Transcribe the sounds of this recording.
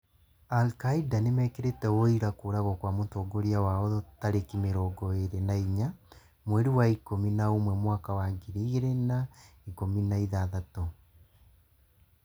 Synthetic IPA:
alkaidanemɛkeɾetɛoiɾakoːɾaɣɔkwamontoːɡoɾiawaɔðɔtaɾekimeɾɔːɡɔeɾenaiɲa | mwɛɾiwaikominaomwɛmwakawaɡiɾiɣeɾenaikominaiðaðato

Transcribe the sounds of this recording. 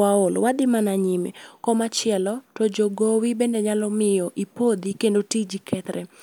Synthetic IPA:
aolwad̪ɪmanaɲimḛkɔmat͡ʃɪɛlɔtɔd͡ʒoɡowibɛndɛɲalɔmɪjɔʔipod̪ikendotid͡ʒikʰɛt̪ɾɛ

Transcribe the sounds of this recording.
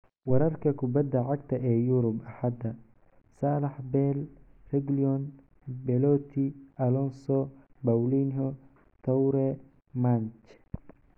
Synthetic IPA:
wɐɾɐrkʰɐkʰʊbɐd̪ːɐʕɑɡ̚t̪ʰɐʔɛːjuɾʊbʔɐħɑd̪ɐ | saːlɐħbɛːlrɛɡliɔn | bɛlɔːt̪ʰiʔɐlɔnsɔbɐwlinɦɔ | t̪ʰɐwɾɛ | mant͡ʃ

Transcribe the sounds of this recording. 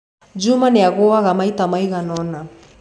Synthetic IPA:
d͡ʒumanɛaɣʊaɣamait̪amaiɣanɔna

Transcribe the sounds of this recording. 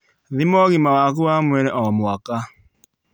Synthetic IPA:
ðimɔɣimawaɣuamwɛɾɛʔɔmwaka

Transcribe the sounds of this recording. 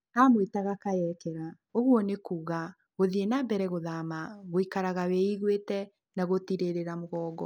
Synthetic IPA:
amwetaɣakajɛkɛɾa | oɣwɔnekuːɣa | ɣoðienabɛɾɛɣoðamaɣoikaɾaɣaweiɣwetɛ | naɣotiɾeɾeɾamoɣɔːɡɔ

